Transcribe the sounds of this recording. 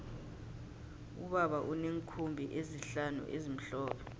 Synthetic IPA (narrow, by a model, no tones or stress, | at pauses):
uɓaɓaʔuneŋkʰumbʱiʔeziɬanṵʔezim̩ɬɔːpʰɛ̥